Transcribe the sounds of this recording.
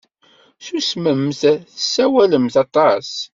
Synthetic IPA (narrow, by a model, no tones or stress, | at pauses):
susməmθθəsːæwæləmθɑt̪ˤɑs